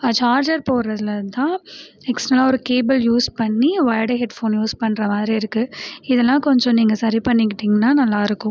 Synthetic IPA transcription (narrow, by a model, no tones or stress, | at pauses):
ɐt͡ʃaːɾd͡ʒɐɾpoːɾɾɐðɪlɐɾnt̪ãːɛksʈɾɐlaːɔɾɯkeːbɐljuːspɐɳːiʋɐɪɽeɦɛɖfoːnjuːspɐɳːɾɐmaːðɪɾiɪɾɯkːɯɪðɛlːãːkɔɲd͡ʒɔ̃niːŋɡɐsɐɾipɐɳːɪkːɪʈːiːŋɡɐnaːnɐlːaːɪɾɯkːʊ̃